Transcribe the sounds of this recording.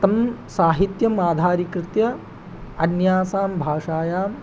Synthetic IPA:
t̪ɐmsaːɦit̪jɐmaːd̪ʱaːɾikɾɪt̪jɐ | ɐnjaːsaːmbʱaːʂaːjaːm

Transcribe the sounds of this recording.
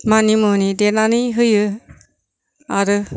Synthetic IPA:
manimonidenanɯɦɯjɯ | aɾɯ

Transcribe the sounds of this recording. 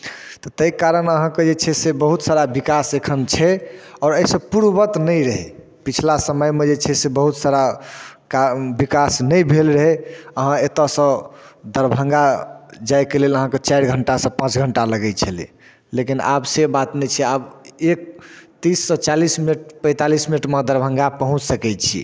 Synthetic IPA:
t̪ɔt̪əikaɾənəɦãked͡ʒet͡ʃʰɛsebəɦut̪saɾabikasekʰənt͡ʃʰɛɔːɾəɦisəb̚puɾbət̪nəjɾəɦɛ | pit͡ʃʰlasəməjmed͡ʒet͡ʃʰɛsebəɦut̪saɾakabikasnəjbʱelɾəɦɛəɦãet̪əsə̃d̪əɾbʱə̃ŋɡad͡ʒajkeleləɦãkət͡ʃajɾɡʱəɳʈasə̃pãt͡ʃɡʱəɳʈaləɡɛt͡ʃʰəlḭ | lekina̰bsebat̪nɛt͡ʃʰɛabek̚t̪isːə̃t͡ʃalismineʈpə̃ɪ̃t̪alisminəʈmed̪əɾbʱə̃ŋɡapəɦũt͡ʃsəkɛt͡ʃʰḭ

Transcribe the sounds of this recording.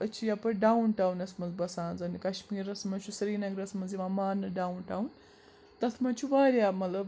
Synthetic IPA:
ət͡ʃʰijapɐɖaːunʈaːwnɐsmɐnzbɐsaːnzɐnikɐʃmiːɾɐsmɐt͡ʃʰusɐɾiːnɐɡɾɐsmɐnziʋãːmaːnɐɖaːunʈaːun | t̪ɐt̪ʰmɐt͡ʃʰuʋaːɾʲjaːmɐlɐb

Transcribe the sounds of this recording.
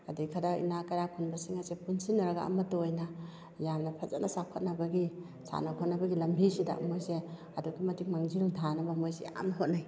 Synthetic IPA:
adikʰadaḭnakajɾapʰunbɐsiŋasepunsinːɐɾaɡaɐ̰mɐtojna | jamnɐpʰazatnasakʰot̚nɐbaɡi | sa̰nakʰot̚nɐbɐɡilɐmbʱisida̰mojse | ɐdukimɐtʰik̚maŋzildʰʱanɐbamojsea̰mnɦot̚naj

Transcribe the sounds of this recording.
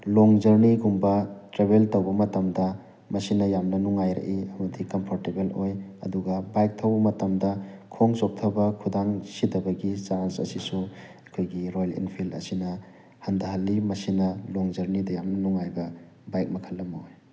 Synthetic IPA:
loŋzɐɾniɡumbɐtɾebeltɐwbɐmɐtɐmdɐ | mɐsinɐjamnɐnuŋajɾɐ̰ʔiɐmɐdikɐmpʰoɾtebelojɐ̰duɡɐbajk̚tʰɐwbɐmɐtɐmdɐkʰoŋsop̚tʰɐbɐkʰudaŋsidɐbɐɡisaɾansɐ̰sisu | ɐkʰojɡiɾojlḭnpʰilɐ̰sinɐ | hɐndɐɦɐlːimɐsinɐloŋzɐɾnidɐjamnɐnuŋajbɐ | bajk̚mɐkʰɐlːɐmɐoj

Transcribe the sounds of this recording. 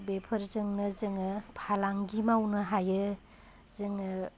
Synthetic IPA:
bepʰɐɾzɯŋnɯzɯŋɯpʰalaŋɡimawnɯɦajɯ | zɯŋ

